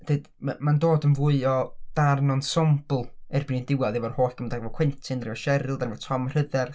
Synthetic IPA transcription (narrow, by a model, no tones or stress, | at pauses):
d̥eːd | mandoːdənvuɨɔd̥arnɔnsɔmblˠɛrbɪnindɪwaðɛvɔrhoːɬkəmdaɡvɔkʰw̥ɛntʰɪnrivɔʃɛɾɪlˠdanvɔ̥tʰɔmr̥əðɛr